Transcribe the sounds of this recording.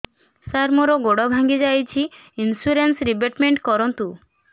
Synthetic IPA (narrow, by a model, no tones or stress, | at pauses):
saɾmɔɾɔɡoɽɔbʱaŋɡid͡ʒajt͡ʃʰi | insuɾensɾibeʈmeɳʈkɔɾɔnt̪u